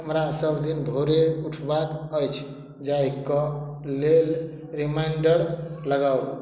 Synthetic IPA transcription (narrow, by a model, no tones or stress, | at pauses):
ɦəmɾasəbd̪inbʱoɾeuʈʰbaɾəjt͡ʃʰ | d͡ʒajkːə | lel | ɾimaiɳɖəɽləɡaw